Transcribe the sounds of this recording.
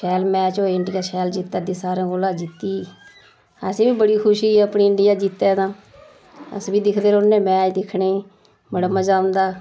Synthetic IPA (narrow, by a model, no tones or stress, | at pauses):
ʃɛːlmɛ̃ːt͡ʃoːɪɳɖɪjaːsɛːld͡ʒɪt̪ːaːd̪iːsaːɾãːɡoːlaːd͡ʒɪt̪ːiː | əsẽːbiːbəɽiːkʰʊʃiːəpniːɪɳɖɪjaːd͡ʒit̪ːɛːnãː | ə̰sbiːd̪ɪkʰd̪eːɾʊnːẽːmɛ̃ːd͡ʒd̪ɪkʰneː | məɽəmãːd͡ʒaːʊ̃nd̪aː